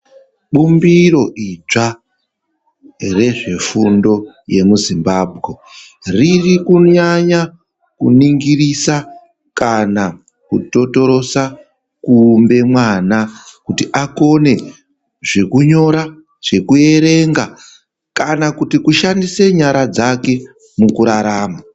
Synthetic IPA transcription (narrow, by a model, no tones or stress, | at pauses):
ɓumbiro̞ʔit͡ʂa | re̞ʐe̞fundo̞ | je̞muzimbaːbʱɣe̞ | ririkuɲaɲa | kuniŋɡiɾisa | kana | kuto̞to̞ɾo̞sa | kumbe̞mwanakutiʔako̞ne̞ | ʐe̞kuɲo̞ɾa | ʐ̥e̞kue̞ɾe̞ŋɡa | kanakutikuʃandise̞ɲaɾad͡zake̞ | mukuɾaɾaːma